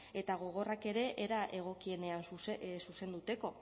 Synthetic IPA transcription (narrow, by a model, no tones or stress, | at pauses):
e̞t̪aɣ̞o̞ɣ̞o̞rake̞ɾe̞ʔeɾaʔe̞ɣ̞o̞kie̞ne̞ansussuse̞nd̪ut̪e̞ko̞